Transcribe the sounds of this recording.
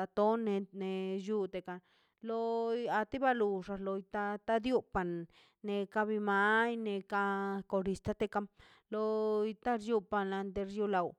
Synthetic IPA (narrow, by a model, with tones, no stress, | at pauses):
a˧t̪o˦ne˧ne˧ju˧t̪e˨ka˧ | lo˧a˧t̪i˦ba˧lu˧˨ʐa˧lo˧jt̪a˦t̪a˦d̪ju˦pa˨nː | e˧ka˧bi˧ma˧˦jne˧ka˧ko˧ɾi˧˨st̪a˦t̪e˧ka˧m | lo˧i˧t̪a˦ɾju˧pa˧na˧nd̪e˧ɾju˧la˨w